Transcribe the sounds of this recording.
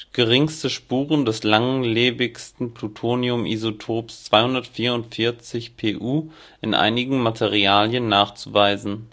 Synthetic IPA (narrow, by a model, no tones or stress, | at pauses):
ɡ̥əʁɪŋstəʃpuːʁ̞əndɛslaŋleːbɪçstn̩plutʰoːniʊmʔḭzotʰoːpst͡sv̥aɪhʊndɐtfiːɐʊntfɪɐt͡sɪçpʰeːʔuː | ʔɪnʔa̰ɪnɪɡŋ̩matʰeʁiaːljənːaːχt͡suvaɪzn̩